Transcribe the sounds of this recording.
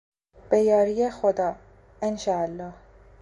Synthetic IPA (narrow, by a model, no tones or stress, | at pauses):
b̥ejɒːɾijexod̪ɒː | enʃɒːælːɒːh